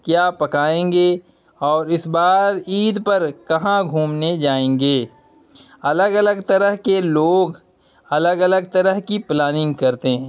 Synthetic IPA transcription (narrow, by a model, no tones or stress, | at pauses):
kjaːpɐkaːẽːŋɡe | ɔːɾɪsbaːɾiːd̪pɐɾkɐɦãɡʱuːmned͡ʒaːẽːŋɡeː | ɐləɡɐləɡt̪ɐɾəɦkeloːɡ | ɐləɡɐləɡ̚t̪ɐɾəɦkiplaːnɪ̃ŋɡkɐɾt̪eɦɛ̃ː